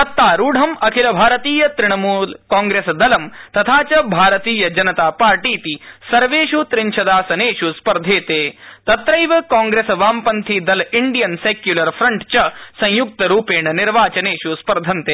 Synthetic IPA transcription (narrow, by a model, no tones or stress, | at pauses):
ɐt̪ːaːɾuːɖʱɐmɐkʰilɐbʱaːɾɐt̪iːjɐt̪ɾɪɳɐmuːlkaːŋɡɾeːsɐd̪ɐlɐmt̪ɐt̪ʰaːt͡ʃɐbʱaːɾɐt̪iːjɐd͡ʒɐnɐt̪aːpaːɾʈiːt̪isɐɾʋeːʃut̪ɾɪɲʃʰɐd̪aːsɐneːʃuspɐɾd̪ʱeːt̪eːt̪ɐt̪ɾɐjʋɐkaːŋɡɾesɐʋaːmpɐnt̪ʰid̪ɐliɳɖijɐnseːkjulɐɾfʰɾɐɳʈt͡ʃɐsɐ̃j̃juk̚t̪ɐɾuːpeːɳɐniɾʋaːt͡ʃɐneːʃuspɐɾd̪ʱɐnt̪eː